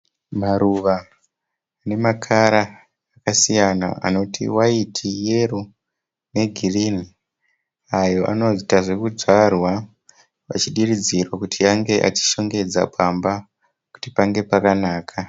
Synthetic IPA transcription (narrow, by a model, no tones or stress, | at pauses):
maɾuʋaː | ne̞makʰaɾaː | kasijana̰a̰no̞tʰḭwaitʰije̞ru | ne̞ɡʱirini | ajo̞ʔa̰no̞ʐitaʐe̞kud͡zarwa | ʋa̰t͡ʃiɗirid͡zirwakutʰiaŋɡe̞ʔa̰t͡ʃi̥ʃo̞ŋɡe̞d͡za̰pʰamba | ku̥tipaŋɡe̞pakanaːkʰa